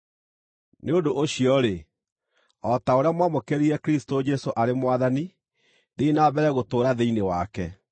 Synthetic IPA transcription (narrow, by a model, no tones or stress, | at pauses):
neondoʔoɕiɔɾe | ɔtaoɾeamwamokeɾiɾɛkɾistod͡ʒɛsoʔaɾemwaðani | ðeinabɛɾɛɣotoːɾaðeinewakɛ̰